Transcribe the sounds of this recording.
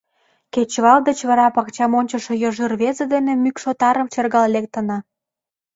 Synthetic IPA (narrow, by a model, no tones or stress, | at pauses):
ket͡ɕβɑld̪ət͡ɕβɑɾɑpɑkt͡ɕɑmonʲt͡ɕəʃejɤʒɯrβezed̪enĕmykʃot̪ɑɾəmt͡ɕerɣɑllek̚t̪ə̆nɑ